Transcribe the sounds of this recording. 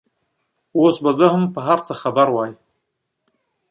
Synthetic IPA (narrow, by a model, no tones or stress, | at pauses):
wosbazahɨmpəɦaɾt͡sʰaχabaɾwaːj